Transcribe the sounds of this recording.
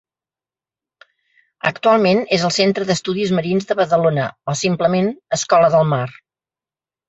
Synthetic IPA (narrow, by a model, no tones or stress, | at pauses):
ə̰kt̪ualˠmenezəlˠsent̪ɾəðəst̪uðizməɾinzðəβəðəlonəɔsimpləmenəskɔləðəlˠmar